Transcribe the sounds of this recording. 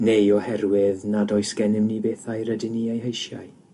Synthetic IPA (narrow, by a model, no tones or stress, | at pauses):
nejɔhɛrwɪðnadɔɨsɡ̥ɛnɪmnibeːθajɾədɪniejɦejʃjaj